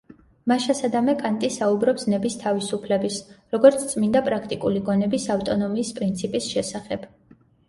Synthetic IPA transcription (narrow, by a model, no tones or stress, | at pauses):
maʃasad̪amɛkʼant̪ʼisaubɾɔpsnɛbist̪ʰavisupʰlɛbisɾɔɡɔɾt̪sʰt̪sʼmind̪apʼɾakʰt̪ʼikʼuliɡɔnɛbisaft̪ʼɔnɔmiːspʼɾint̪sʰipʼisʃɛsaχɛb̥